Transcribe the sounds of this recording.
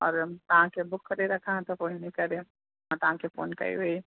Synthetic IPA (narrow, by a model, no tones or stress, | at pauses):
ɔːɾt̪ɐɦãkebʊkʰːəɾeɾɐkʰãt̪ɔpoːɦinikɐɾe | t̪ɐɦãkepʰo̰ːnkɐ̰ḭɦoi